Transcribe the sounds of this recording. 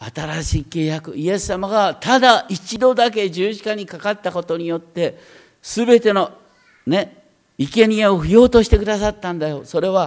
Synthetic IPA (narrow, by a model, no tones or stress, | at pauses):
at̪aɾaɕiːke̞ːjakɯ̟ie̞sːamaɡat̪ad̪aʔit͡ɕid̪o̞d̪ak̬e̞ʑɨːʑikaɲ̟ikakat̪ːako̞t̪o̞ɲ̟ijo̞t̪ːe̞ | sɨbe̞t̪e̞no̞ | ne̞ | ike̞ɲ̟iaoɸɯ̟jo̞ːt̪o̞ɕi̥t̪e̞kɯ̟d̪asat̪ːãnd̪ajo̞so̞ɾe̞β̞a